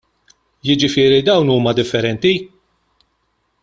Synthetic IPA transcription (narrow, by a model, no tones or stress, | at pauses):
jɪd͡ʒɪfɪːɾid̪ɐwnuːmɐd̪ɪfːɛɾɛnt̪i